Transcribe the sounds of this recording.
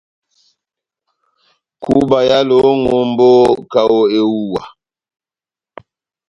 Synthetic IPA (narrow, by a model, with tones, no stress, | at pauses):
ku˦ba˨ja˦lo˨˦ŋo˨mbo˦ka˨wo˦e˦wu˦wa˨